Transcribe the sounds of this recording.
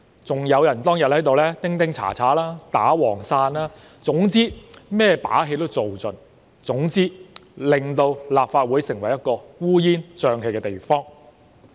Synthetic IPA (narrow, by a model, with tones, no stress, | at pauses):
t͡sʊ˨ŋjɐ˨˧wjɐ˨˩nt̪ɔː˥ŋjɐ˨t̚hɐ˨˥jt̪o˨wlɛː˥t̪ɪ˥ŋt̪ɪ˥ŋt͡sʰa̰ː˨˩t͡sʰaː˨˥laː˥t̪a̰ː˨˥wɔː˨˩ŋsaː˧nlaː˥ | t͡sʊ˨˥ŋt͡siː˥mɛː˥˩pa̰ː˨˥ɦe˧jt̪o˥wt͡so˨wt͡sɵ˨n | t͡sʊ˨˥ŋt͡siː˥lɪ˨˩ŋt̪o˧wlaː˨p̚faː˧t̚wuː˨˥jsɪ˨˩ŋwɐ˨˩jɐ˥t̚kɔː˧wuː˥jiː˥nt͡ʃœː˧ŋɦe˧jkɛː˧t̪e˨jfɔː˥ŋ